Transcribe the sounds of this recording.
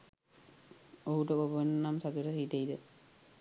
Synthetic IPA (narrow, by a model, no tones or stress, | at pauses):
oɦuʈəkobnːamsaɡ̪uɾəsit̪eid̪ə